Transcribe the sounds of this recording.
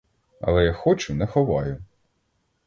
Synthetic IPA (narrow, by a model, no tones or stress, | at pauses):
ɐ̰lˠɛjaxɔt͡ʃʊnɛxɔʋɑjʊ